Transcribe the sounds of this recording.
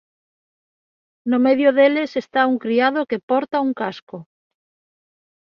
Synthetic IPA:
nomeðjoðelesest̪auŋkɾiað̞okepɔɾt̪auŋkasko

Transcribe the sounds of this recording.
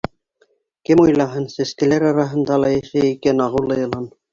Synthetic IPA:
kɘmujlˠɑɦɤnsɘ̆skɘ̆læɾɑɾɑɦɤ̆nd̪ɑlˠɑjæʃæikænɑʁɤlˠɤ̆jɤ̆lˠɑn

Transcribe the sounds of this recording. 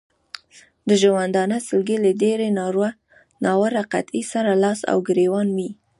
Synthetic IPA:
d̪əʒawand̪ɑnəsəlɡelədeɾenɑɾwa | nɑwəɾaqa̰t̪isaɾalɑsa̰wɡɾewɑnwi

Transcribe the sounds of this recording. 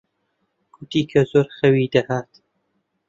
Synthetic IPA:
kʰʊt̪iːkʰɐzoːɾxɐwiːd̪ɐhaːt̪

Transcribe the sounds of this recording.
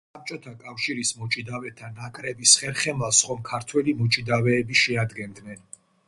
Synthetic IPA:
sap̚t͡ʃʼɔt̪ʰakʼafʃiɾismɔt͡ʃʼid̪avɛt̪ʰanakʼɾɛbisχɛɾχɛmlˠasχɔmkʰaɾt̪ʰwɛlimɔt͡ʃʼid̪avɛːbiʃɛad̪ɡɛnd̪nɛn

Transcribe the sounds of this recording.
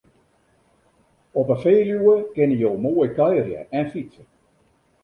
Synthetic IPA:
ɔpəfeːljuəkɪnəjolˠmoːjkœjərjə̰ɛnfit͡sə

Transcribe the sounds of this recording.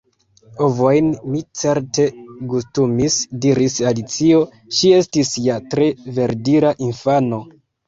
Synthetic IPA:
ovo̞jnmit͡se̞ɾte̞ɡustumisdiɾisalit͡sio̞ | ʃie̞stisjatɾe̞ve̞ɾdiɾaʔinfano̞

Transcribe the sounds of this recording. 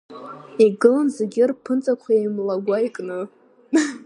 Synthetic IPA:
iɡɨlanzeɡʲɪrpʰɨnt͡sʼakʷʰajajmlaɡʷajkʼnɨ

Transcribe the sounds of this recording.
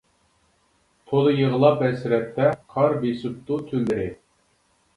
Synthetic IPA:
t̪ʰolˠɨjəʁəlˠɑpɛsɾɛt̪ːɛqʰɑɾbesup̚t̪ut̪ʰylɪɾɪ

